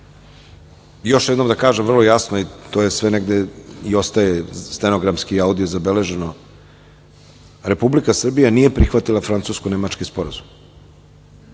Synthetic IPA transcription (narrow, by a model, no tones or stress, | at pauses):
jo̞ʃjed̪no̞md̪akaːʒemvr̩lˠo̞jasnoit̪oːje̞sʋene̞ɡd̪e̞io̞st̪ajest̪enoɡɾamskiaud̪ijozabe̞le̞ʒe̞no̞ | ɾe̞publikasr̩bijanije̞pɾixʋat̪ilˠafɾant̪suːskone̞mat͡ʃkispo̞ɾazum